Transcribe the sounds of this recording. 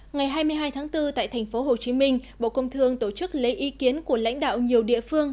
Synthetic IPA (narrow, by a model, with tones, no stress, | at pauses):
ŋa˨˩jɦaː˧jmɨ˧əjɦaː˧jt̪ʰaː˨˦ŋt̪ɨ˧t̪a̰ː˧˨jt̪ʰɛ˨˩ŋ̟fo˨˦ɦo˨˩t͡ɕi˨˦mï˧ŋ̟ɓo̰˧˨kə˧wŋ͡mt̪ʰɨ˧əŋt̪o˧˩t͡ɕɨ˦˥k̚le˨˦jʔi˨˦ki˨˦ənku˧˩əla̰˧˥jŋ̟ɗa̰ː˧˨wɲi˨˩əwɗḭ˧˨əfɨ˧əŋ